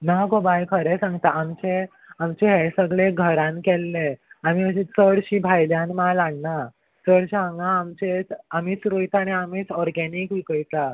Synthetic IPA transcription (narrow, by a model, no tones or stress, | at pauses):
naɡobajkʰəɾɛsãŋɡt̪aamt͡ɕe | amt͡ɕeɦɛsəɡɭeɡʱəɾãnkɛlːeamiəɕit͡səɽɕiːbʱajljãnmalaɡna | t͡səɽɕɦãŋɡãːmt͡ɕet͡samiːt͡sɾojt̪aːniamiːt͡sɔɾɡɛnikʋikəjt̪a